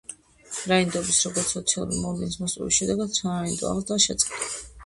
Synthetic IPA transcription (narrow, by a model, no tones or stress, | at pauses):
ɾaind̪ɔbisɾɔɡɔɾt̪sʰɔt̪sʰialˠṵɾmɔvlinismɔsʼɛ̰vḭsʃɛd̪ɛɡad̪̥saɾɾaind̪ɔ̰a̰ʁlˠd̪aʃɛt̪sʼqʼɛd̪a